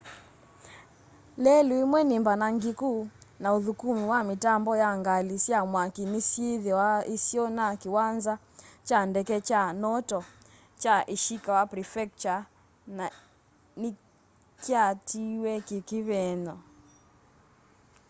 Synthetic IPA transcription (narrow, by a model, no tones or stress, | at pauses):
lɛluimwɛnimbanaŋɡikuːnaoðukumiwamitambɔjaŋɡalisiamwakinisieðiwaisiɔnakiwanza | t͡ʃandɛkɛt͡ʃanɔtɔ | t͡ʃaʔiʃikawapɾifɛk̚t͡ʃa | na | ni | kiatiwɛkikiβɛnɔ